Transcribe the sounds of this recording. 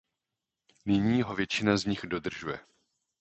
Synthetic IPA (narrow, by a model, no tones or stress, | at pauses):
nɪɲiːɦo̞vjɛt͡ʃɪnazɲɪxdo̞d̪r̩ʒujɛ